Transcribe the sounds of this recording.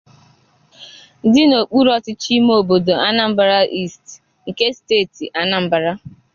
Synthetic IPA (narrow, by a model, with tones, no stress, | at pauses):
dɪ˦no˨k͡pu˦ɾɔ˦tɪ˦t͡ʃi˦m˦o˦˨bo˨do˨a˦na˨m̩˦ba˦ɾa˦ʔi˦˨st | ŋ̩˨ke˦steː˦˨ti˨ʔa˦na˨m̩˦ba˨ɾa˦